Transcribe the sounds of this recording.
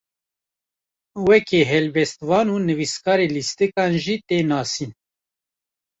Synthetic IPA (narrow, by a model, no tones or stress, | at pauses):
wɛkʰeːɦɛlbɛst̪vɑːnuːnɨviskɑːɾeːlist̪ɨkɑːnʒit̪eːnɑːsiːn